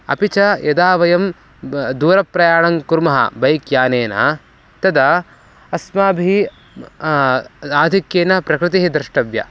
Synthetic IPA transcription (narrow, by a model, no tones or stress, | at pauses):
ɐ̰pit͡ʃɐjʔɐd̪aːʋɐjɐm | d̪uːɾɐpɾɐjaːɳɐŋkuɾmɐɦɐ̰bɐjkjaːneːnɐ̰ | t̪ɐd̪ɐ | ɐsmaːbʱi | aːd̪ʱikjeːnɐpɾɐkɾɪt̪iɦid̪ɾɪʂʈɐʋjɐ̰